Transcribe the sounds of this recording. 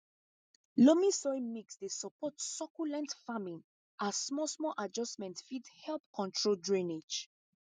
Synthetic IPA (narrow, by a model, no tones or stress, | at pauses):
lomĩsɔimiksdesɔpɔtsɔkulɛ̃ntfamĩn | ʔassmɔsmɔlʔad͡ʒɔsmɛ̃ntfidhɛlˠp̚kʰɔ̃ntʰɹoldɹĩned͡ʒ